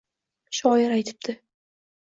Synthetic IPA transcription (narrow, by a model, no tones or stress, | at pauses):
ʃɒjɪɾajt̪ʰɪ̥p̚d̪̥ʰɪ